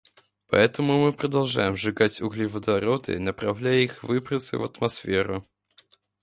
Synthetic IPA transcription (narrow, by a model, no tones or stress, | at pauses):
pɐ̰ɛt̪əmʊmɨpɾəd̪ɐlˠʐajɪmʐɨɡatʲʊɣlʲivəd̪ɐɾot̪ɨ̰nəpɾɐvlʲæjɛixvɨpɾət̪sɨ̰vət̪mɐsfʲeɾʊ